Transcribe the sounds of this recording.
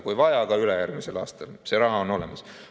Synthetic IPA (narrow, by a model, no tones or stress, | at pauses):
kujvɑjɑkɑylejærɡmise̞lɑ̰ːst̪ɑlse̞ɾɑɦɑono̞le̞̰mɑs